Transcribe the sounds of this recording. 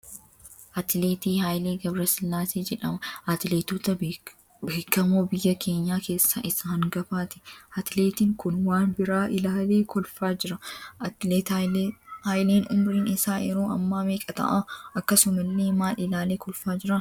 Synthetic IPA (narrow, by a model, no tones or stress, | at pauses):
ʔɐt̪leːt̪iːhaːjleːɡɐbɾɐsɪlːaːseːd͡ʒɛᶑɐmɐʔɐt̪leːt̪uːt̪ɐ | beːkːɐmoːbɪjːɐkʰe̞ːɲːaːke̞ːsːa̰ʔɪsːahɪŋɡɐfaːt̪ɪ̥ʔɐt̪ɪle̞ːt̪ɪŋkʊnwaːnbɪɾaːʔɪlaːle̞ːkɔlfaːd͡ʒɪɾɐleːt̪ | haːjleːnʊmɾiːnɪsaːʔɛɾoːɐ̰mːaːmeːkʼɐt̪ɐ̰ʔaʔɐkːɐsʊmɐlːeːmaːlɪlaːleːkɔlfaːd͡ʒɪɾɐ